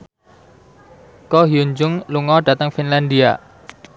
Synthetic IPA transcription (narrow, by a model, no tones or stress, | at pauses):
kɔɦiuɲd͡ʒʊŋluŋɔɖa̤t̪əŋfinland̪ia̰